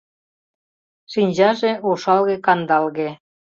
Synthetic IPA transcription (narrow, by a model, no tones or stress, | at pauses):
ʃinʲʑɑʒeuʃɑlɣekɑnd̪ɑlɣe